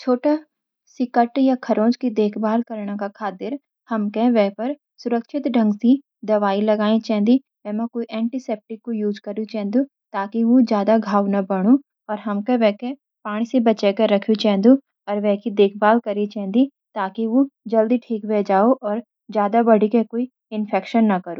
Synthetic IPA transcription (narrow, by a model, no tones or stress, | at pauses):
t͡ʃʰoːʈa | sɪkəʈjakʰɐɾʔõːd͡ʒkid̪eːkʰbaːlkɐɾɳakakʰaːt̪ɪɾ | hɐmkeʋɛɦpɐɾ | sʊɾəkʃɪt̪ɖɐ̃ŋɡsi | d̪ɐʋaːilɐɡaːĩt͡ʃɛ̃ːnd̪i | ʋɛːmɐ̃koːiʔɛ̃ːɳʈisɛːp̚ʈɪkːojuːd͡ʒkɐɾut͡ʃɛ̃ːnd̪ũ | t̪aːkiʋod͡ʒjaːd̪aɡʱaːwnabɐɽ̃u | ɔːɾɦɐmkeʋɛːke | paːɽ̃isebɐt͡ʃekɐɾɐkʰjut͡ʃɛ̃ːnd̪u | ɔːɾʋɛkid̪eːkʰbaːlkɐɾit͡ʃɛ̃ːnd̪i | t̪aːkiʋod͡ʒɐld̪iʈʰiːkʋed͡ʒaːoʔɔːɾ | d͡ʒjaːd̪abɐɽ̤ʱikekoːi | ɪnfʰɛːkʃənːɐkɐɾoː